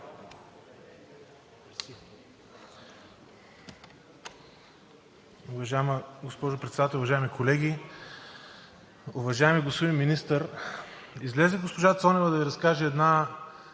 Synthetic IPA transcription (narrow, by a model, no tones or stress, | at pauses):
ʊvɐʒaɛməɡospɔʒopɾɛt̪sɛd̪at̪ɛlˠʊvɐʒaɛmikʰolɛɡʲi | ʊvɐʒaɛmiɡospod̪inminist̪əɾ | izlɛzɛɡospoʒat̪sɔnɛvɐd̪ɐviɾɐskaʒɛɛd̪na